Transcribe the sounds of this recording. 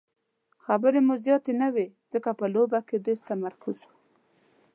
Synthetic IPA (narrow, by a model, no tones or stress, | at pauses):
xabəɾemuzjɑt̪enawez̥əkapəlobaked̪əst̪amaɾkʊzwu